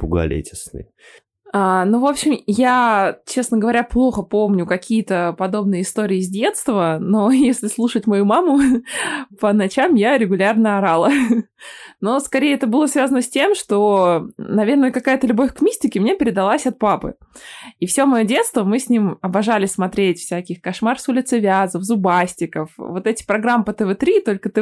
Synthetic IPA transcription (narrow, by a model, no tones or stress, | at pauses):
pʊɡɐ̰lʲḛtʲɪ̥snɨ̰j | anuvo̞pɕɪmjat͡ɕe̞snəɡəvɐɾʲaplˠo̞xəpo̞mnʲʊkɐkʲʰijət̪əpɐd̪o̞bnɨjəɪst̪o̞ɾʲɪːzʲdʲe̞t̪st̪vəno̞jesʲlʲɪslˠuʂətʲmɐjumamʊ | pənɐt͡ɕamjaɾʲɪɡʊlʲarnəɐɾalˠə | no̞skɐɾʲejɛt̪əbɨlˠəsvʲazənəsʲtʲe̞mʂt̪o̞nɐvʲe̞rnəjəkɐkajət̪əlʲʊbo̞fʲkmʲisʲtʲɪkʲɪmnʲepʲɪɾʲɪd̪ɐlˠasʲɐt̪̚papɨ̰ | ifsʲo̞mɐjodʲe̞t̪st̪vəmɨsʲnʲimɐbɐʐalʲɪsʲsmɐt̪ɾʲetʲfsʲækʲɪxkɐʂmarsʊlʲɪt̪sɨvʲazəfzʊbasʲtʲɪkəfvo̞t̪ɛtʲɪ̥pɾɐɡɾampət̪əvɛt̪ɾʲit̪o̞lʲkət̪ɨ